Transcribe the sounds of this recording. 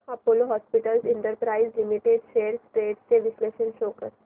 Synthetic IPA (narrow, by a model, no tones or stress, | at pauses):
apoːloɦɔːspɪʈəlzɪ̃ɳʈəɾpɾaːɪzlɪmiʈeɖʃeːɾsʈɾeːɖsseʋɪsleːʃənʃoːkəɾ